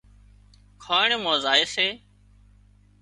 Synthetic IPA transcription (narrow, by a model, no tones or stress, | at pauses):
kʰaːɳeːmãːzaːeːseː